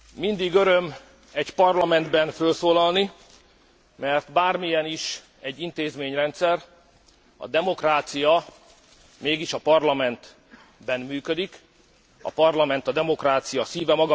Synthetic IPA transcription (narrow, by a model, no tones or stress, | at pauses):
mind̪iɡøɾøm | ɛcpɒrlɒmɛnd̪bɛnfølsoːlɒlni | mɛrt̪baːrmijɛniʃ | ɛɟːint̪eːzmeːɲrɛnt̪sɛr | ɒ̰d̪ɛmokraːt̪sijɒ | meːɡiʃɒpɒrlɒmɛnt̪ | bɛnmyːkød̪ik | ɒ̰pɒrlɒmɛnt̪ɒd̪ɛmo̞kraːt̪sijɒsiːvɛmɒɡɒ